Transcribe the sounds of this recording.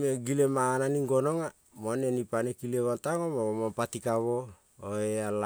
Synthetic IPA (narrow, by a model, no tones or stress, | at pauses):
meɡilemaːnaniŋɡonoŋa | monenipanekileβantaŋomaomampatikaβo̞ | oeal